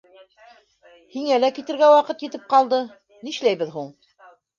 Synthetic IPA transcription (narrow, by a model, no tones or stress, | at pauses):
hiŋælækit̪ɘ̆ɾɡæwɑqɤt̪jɘ̆t̪ɘp̚qɑlˠd̪ɤ | niʃlæjβɘðɦuɴ